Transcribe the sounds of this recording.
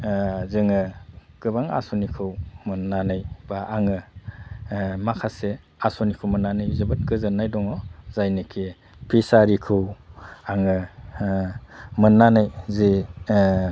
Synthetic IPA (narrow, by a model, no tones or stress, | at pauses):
zɯŋɯɡ̥ɯbaŋa̰sɔnikʰɯwmɯnːanɯjbaʔaŋɯ | makʰase | asɔnikʰɯwmɯnːanɯjzɯbɯt̚ɡɯzɯnːajdɔŋɔzajnɯkʰe | pʰisaɾikʰɯwaŋɯ | mɯnːanɯjzi